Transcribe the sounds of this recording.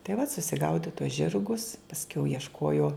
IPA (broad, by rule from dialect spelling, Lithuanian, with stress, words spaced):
tɐɪ ʋɐt sʊsʲɪˈɡɐʊdʲɪ tuɔs ˈʒʲɪrɡʊs pɐsʲˈkʲɛʊ iɛʃˈkuɔjuɔ